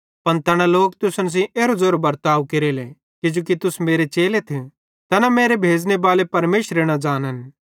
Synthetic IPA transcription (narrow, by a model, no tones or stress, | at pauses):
pɐnt̪ɛːɽ̃aloːkt̪ʊsəns̬ĩʔeːɾozoːɾbɐɾt̪aːukeɾele | kɪd͡ʒoːk̬it̪ʊsmeːɾet͡ʃeːlet̪ʰe | t̪ɛnameːɾebʱeːd͡ʒnebaːlepɐɾmeːʃɾeɽ̃ad͡ʒaːnɦən